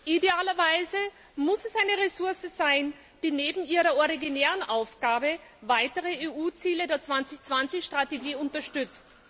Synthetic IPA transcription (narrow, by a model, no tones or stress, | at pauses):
ʔideaːlɐvaɪzə | mʊsɛsaɪnəʁesʊɐsəzaɪn | d̥iːneːbm̩iːʁɐɔʁiɡineːʁənʔaʊfɡ̥aːbəvaɪtəʁəeːuːt͡siːlədeːɐt͡sv̥ant͡sɪçt͡sv̥ant͡sɪçʃtʁ̥ateɡiːʊntɐʃtʏt͡st